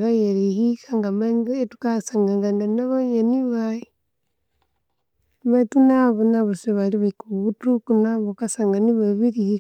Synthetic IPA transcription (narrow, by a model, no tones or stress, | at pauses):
βajeɾihikaŋɡamaŋetu̥kasaŋɡaŋɡaŋɡanaβaɲaniβaji | matunaβonaβoseβaliβaikuβutukunaβokasaŋɡaniβaβiɾihi